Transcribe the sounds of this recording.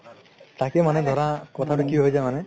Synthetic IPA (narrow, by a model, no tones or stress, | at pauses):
t̪akemaned̪ʱɔɾakɔt̪ʰaʈukiɦojd͡ʒajmane